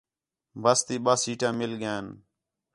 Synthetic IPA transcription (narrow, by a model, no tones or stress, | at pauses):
bəst̪iːɓaːsiːʈãːmɪlɠjãːn